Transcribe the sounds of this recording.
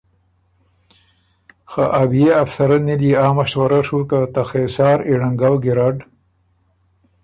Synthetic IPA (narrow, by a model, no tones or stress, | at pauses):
xaʔabijeafsɐɾaniliaːmaʃwɐɾaʂukat̪axesaːɾiɽaŋɡawɡiɾaɖ